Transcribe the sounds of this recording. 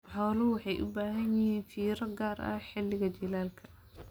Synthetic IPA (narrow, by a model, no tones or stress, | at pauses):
ħɔːlʊwɑħɑjʔʊ̰baːɦɐnjɪhiːnfiːɾɐɡaːrʔɐ̰ħɪlːɪɣɐd͡ʒɪlaːlkʰɐ̥